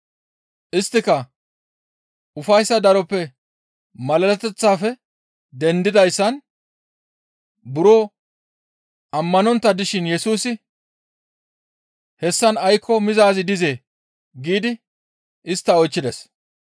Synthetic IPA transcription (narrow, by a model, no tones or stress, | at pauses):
ʔɪst̪ːɪkɐ | ʊfɐjsːɐd̪ɐɾɔpːɛ | mɐlɐlɛt̪ɛt͡sːaːfɛ | d̪ɛnd̪ɪd̪ɐjsːɐn | bʊɾoː | ʔɐmːɐnɔnt̪ːɐd̪ɪʃɪnjɛsuːsɪ | hɛsːɐnɐjkʰːɔmɪzaːzɪd̪ɪze̞ː | ɡiːd̪ɪ | ʔɪst̪ːɐɔjt͡ʃːɪd̪ɛs